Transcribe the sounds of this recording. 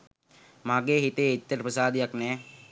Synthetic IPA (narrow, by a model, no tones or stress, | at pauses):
maːɡeːɦit̪eːit̪ːəɾəprəsaːd̪ijaknɛː